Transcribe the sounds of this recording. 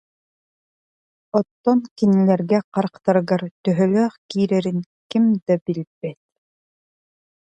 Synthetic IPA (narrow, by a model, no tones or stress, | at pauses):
ɔt̪ːɔnkinilɛɾɡɛqaɾqt̪aɾɯɡaɾt̪œɦœlœːχkiːɾɛɾin | kimd̪abilʲbɛt̪̚